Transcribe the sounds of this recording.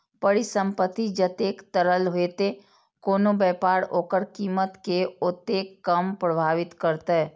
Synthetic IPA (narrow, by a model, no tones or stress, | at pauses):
pəɽisə̃mpət̪ːid͡ʒət̪eːkt̪əɾəlɦeːt̪e | koːnobɛːpaːɽoːkəɾkiːmət̪keot̪ːekːəmpɾəbʱaːʋɪt̪kəɾt̪eɦɛ